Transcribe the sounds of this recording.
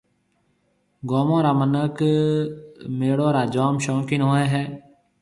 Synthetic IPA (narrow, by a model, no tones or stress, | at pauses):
ɡoːmõːɾaːmənək | meːɽoːɾaːd͡ʒaːmʃõːkɪnoːeːɦɛː